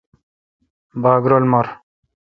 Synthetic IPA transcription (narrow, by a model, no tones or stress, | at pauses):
baːɡɾolmɐɾ